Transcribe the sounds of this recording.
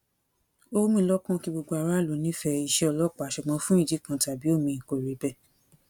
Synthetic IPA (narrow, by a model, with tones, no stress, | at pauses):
o˦˧˦mĩ˧˦lɔ˦kɔ̃˦˧ki˧ɡ͡bo˧ɡ͡bo˧a˧ɾa˦lo˨˦nĩ˦fɛ˧i˧˨ʃɛ˧ɔ˧lɔ˦k͡pa˨˦ʃɛ˧˨ɡ͡bã˧˦fũ˦i˦˨d͡ʒi˨˦kã˧ta˨bi˨˦o˦˨mĩ˧˨ko˨ɾe˨˦bɛ˧˨